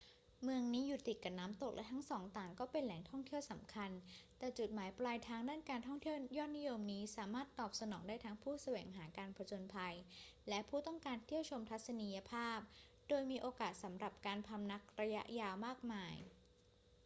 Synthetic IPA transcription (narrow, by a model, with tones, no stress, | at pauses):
mɯ˧əŋniː˦˥ju˨˩t̪ːi˨˩ka˨˩p̚naː˦˥mt̪o˨˩k̚lɛ˦˥t̪ʰa˦˥ŋsɔː˩˦ŋt̪aː˨˩ŋkɔː˥˩pe˧nlɛː˩˦ŋt̪ʰɔ˥˩ŋt̪ʰi˥˩əwsa˩˦mkʰa˧nt̪ɛː˨˩t͡ɕu˨˩t̪̚maː˩˦jplaː˧jt̪ʰaː˦˥ŋdaː˥˩nkaː˧nt̪ʰɔ˥˩ŋt̪ʰi˥˩əjɔː˥˩t̪̚ni˦˥jo˧mniː˦˥saː˩˦maː˥˩t̪ːɔː˨˩p̚sa˧nɔː˩˦ŋdaː˥˩jt̪ʰa˦˥ŋpʰuː˥˩sa˧wɛː˩˦ŋɦaː˩˦kaː˧npʰɾa˧t͡ɕo˧npʰa˧jlɛ˦˥ʔpʰuː˥˩t̪ɔ˥˩ŋkaː˧nt̪ʰi˥˩əwt͡ɕʰo˧mt̪ʰa˦˥t̪̚sa˧ni˧ja˧pʰaː˥˩p̚ | doː˧jmiː˧ʔoː˧kaː˨˩t̪̚sa˩˦mɾa˨˩p̚kaː˧npʰa˧mna˦˥k̚ɾa˧ja̰˦˥ʔjaː˧wmaː˥˩k̚maː˧j